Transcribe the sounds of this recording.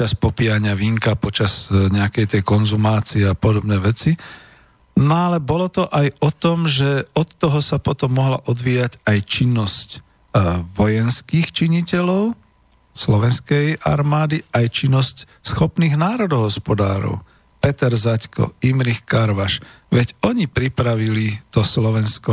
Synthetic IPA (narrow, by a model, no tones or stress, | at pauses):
t͡ʃaspɔpiaɲɪaʋiːŋkapɔt͡ʃaz̥ɲɛakɛjt̪ɛjkɔnzumaːt͡siɛapɔd̪ɔbnɛːʋɛt͡si | nɔalɛbɔlɔt̪ɔʔajɔt̪ɔmʒɛɔt̪ːɔɦɔsapɔt̪ɔmːɔɦlaʔɔd̪ʋiːjacajt͡ʃinːɔsc | ʋɔjɛnskixt͡ʃiɲicɛlɔʊ | slɔʋɛnskɛjʔa̰ɾmaːd̪iajt͡ʃinːɔsc | sxɔpniːɣnaːɾɔd̪ɔɦɔspɔd̪a̰ːɾɔ̰ʊ | pɛt̪ɛɾzackɔ̰imɾixkaɾʋaʃ | ʋɛɟɔɲipɾipɾaʋilit̪ɔslɔʋɛnskɔ